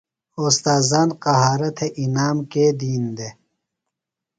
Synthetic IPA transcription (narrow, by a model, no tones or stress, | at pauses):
oːst̪aːzaːnqɐɦaːɾɐt̪ʰeʔinaːmked̪iːnd̪e